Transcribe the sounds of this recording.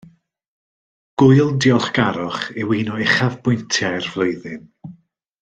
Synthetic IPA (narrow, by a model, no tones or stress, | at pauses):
ɡ̥ʊjlˠdɪɔlˠχɡ̥aɾɔχewiːnɔɪχavbʊjntʰjajrvlˠoɨðɪn